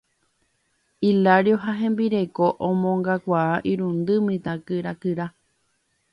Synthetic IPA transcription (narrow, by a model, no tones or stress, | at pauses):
ilaɾjoɦaɦẽ̞mbiɾekoʔõmõŋɡakʷaʔaʔiɾũnd̪ɨmɨ̃t̪ãkɨɾakɨɾa